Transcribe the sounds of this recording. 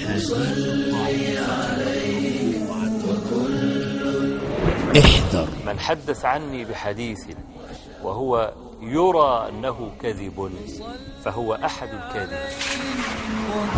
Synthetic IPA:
saliʕala | ʔɪħd̪ɑɾˤmanħad̪ːaθʕanːibɪħad̪iːθ | waɦʊwa | jɑɾˤɑːʔa̰nːaɦʊkaðɪb | faɦʊwaʔaħad̪lkaðɪb

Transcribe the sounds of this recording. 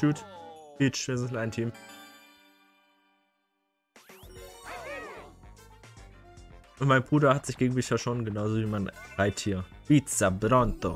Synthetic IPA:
uːtbiːt͡ʃvɪzlaɪntʰiːm | ʔʊntmaɪnbʁuːdɐhatz̥ɪçɡ̥eːɡŋ̩bɪçaʃoːnɡənaʊzoːviːmaɪnʁaɪtʰiːɐv̥it͡sabɾɔnto

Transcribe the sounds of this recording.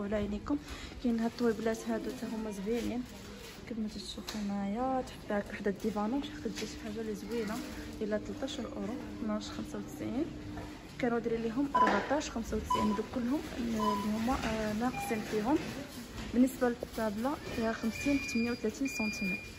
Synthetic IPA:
lælikʊmkænɦæt̪ˤːwiblæt̪hæd̪ut̪æɦʊmːæzbilin | kəd̪mət̪əʃuxmæjat̪ħə̥t̪ːˤbaʕækwaħd̪æd̪ifænabʃħaqəd̪ʒit̪fħaʒːaləzwilaʔəlæt̪lt̪ˤɑʃəɾˤʔʊ̰ɾut̪næʃxəmsawt̪ə̥sʕin | kænud̪ɾiliɦʊmʔɑɾˤbaʕt̪ˤɑʃxəmsawt̪əsʕind̪ukʊlːhʊmlihʊmːænæqsimfiɦʊm | bənːəsbaləlkt̪æblahæxəmsinħə̥t̪mənjæwt̪læt̪insɑnt̪ʰimi

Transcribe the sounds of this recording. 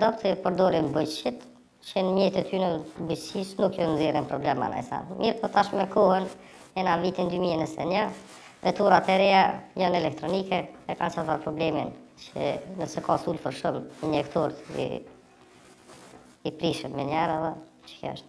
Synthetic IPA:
d̪ɔpt̪ipəɾd̪ɔɾimbət͡ʃʃit̪ | t͡ʃənmjɛt̪ɛt̪ʰynəbət͡ʃsiʃnukjɔnziɾinpɾɔblɛma̰na̰jsa̰nmiɾpɔt̪aʃmɛkɔhən | ɛnavit̪ind̪ymiɛnəsɛ̰ɲa | vɛt̪uɾat̪ɛɾɛjajɔnɛlɛkt̪ɾɔnikɛɛkant͡ʃat̪aɾpɾɔblɛmḭnə̰nəsɛkasulfəɾʃumiɲɛkt̪ɔɾt̪ḭ | ipɾiʃənmɛɲɛɾɛðɛ | t͡ʃə̥kɔ̰ʃt̪

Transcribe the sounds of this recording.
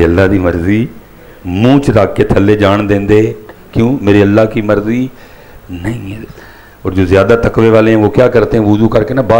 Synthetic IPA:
eːəlːaːd̪iːməɾziː | mũːt͡ʃɾaːkːeːt̪ʰəlːeːd͡ʒaːɳd̪ẽːnd̪eːkjõːmeːɾeːəlːaːkiːməɾziː | nəĩː | ɔːɾd͡ʒoːzɪjaːd̪aːt̪əkʋeːʋaːleːãːʋoːkjaːkəɾt̪eɦãːʋʊzuːkəɾkeːnaːbaː

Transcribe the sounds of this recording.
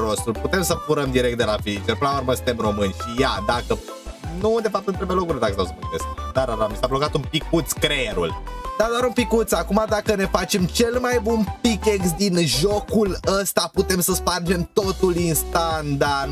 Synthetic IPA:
ɾost̪ulput̪e̞msəfuɾəmd̪iɾek̚t̪d̪e̞lafiit͡ʃeɾpɨnlauɾməsɨ̥nt̪e̞mro̞mɨnʲʃijad̪akə | nud̪e̞fap̚t̪ɨnt̪ɾebujelokuɾed̪akst̪aosəput̪esk̚d̪aɾaɾamisablo̞kat̪unpikut̪skɾeeɾṵld̪ad̪oaɾunpikut̪sakumad̪akəne̞fat͡ʃe̞mt͡ʃe̞lmajbunpikeksd̪inʒokuləst̪aput̪e̞msəspard͡ʒe̞mt̪ot̪ulinst̪and̪an

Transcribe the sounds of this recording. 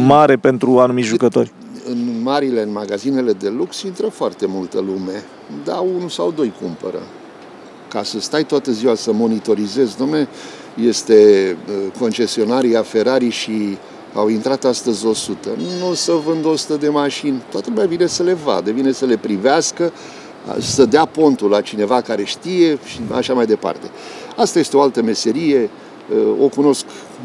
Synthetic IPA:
maɾe̞pe̞nt̪ɾuanumiʒukət̪o̞rʲ | ɨnmaɾile̞ɨnmaɡazine̞le̞d̪e̞luksint̪ɾəfoart̪e̞mult̪əlume̞ | d̪aunusawd̪o̞jkumpəɾə̰ | kasəst̪ajt̪oat̪əziwasəmo̞nit̪o̞ɾize̞znomne | je̞st̪e̞ | ko̞nt͡ʃe̞sio̞naɾiafe̞ɾaɾiʃi | a̰wint̪ɾat̪ast̪əzʲo̞sut̪ənusəvɨnd̪o̞su̥t̪əd̪e̞maʃinʲt̪oat̪əlumʲjavine̞səle̞va̰d̪əvine̞səle̞pɾiveaskə̰ | səd̪eapo̞nt̪ulat͡ʃine̞vakaɾe̞ʃt̪ije̞ʃia̰ʃamajd̪e̞pa̰rt̪e̞ | ast̪aje̞st̪eo̞alt̪əme̞se̞ɾije̞ | o̞kuno̞sk

